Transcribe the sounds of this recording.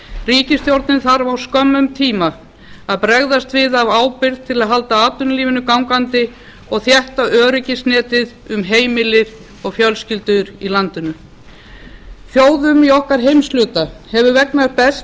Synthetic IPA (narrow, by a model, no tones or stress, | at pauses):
riːcɪst̪jowɾt̪nɪnθaɾvawskœmːʏmt̪ʰiːma | aðpɾɛɣðast̪vɪðavaːwpɪɾðt̪ʰɪlaðɦal̪t̪aaːt̪ʏnliːvɪnʏkawŋkant̪ɪ | ɔɣθjɛht̪aœːɾʏcɪsnɛːt̪ɪðʏmɦeːjmɪlɪɾ̥ | ɔɣfjœlscɪlt̪ʏʏɾilant̪ɪnʏ | θjoːwðʏmiɔhkaɾ̥ɦejmstlʏːt̪ahɛvʏvɛknaɾpɛs